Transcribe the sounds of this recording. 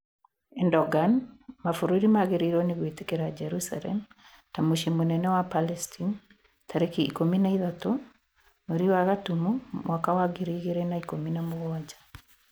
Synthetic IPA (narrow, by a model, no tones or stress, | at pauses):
ɛndɔɡanmafoɾoɾimaɣeɾeiɾɔneɣwetekeɾad͡ʒɛɾusa̰lɛ̰m | tamoʃimonɛnɛwapalɛstʰin | tʰaɾekiːkominaiðato | moɾiwaɣatumumwakawaɡeɾiɣeɾɛnaikominamoɣowad͡ʒḁ